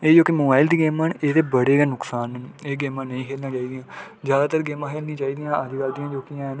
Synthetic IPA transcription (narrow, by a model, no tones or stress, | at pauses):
eːd͡ʒoːkimoːbaːɪld̪iːɡɛːməneːt̪eːbəɽeːɡɛːnʊksaːnɦəneːɡɛːmãːnəĩːkʰeːlnãːt͡ʃaːiːd̪ijãː | zjaːd̪aːt̪əɾɡɛːmãːkʰeːlnĩːt͡ʃaːiːd̪ijãːəd̪ɪkaːld̪ijãːd͡ʒoːkijãːn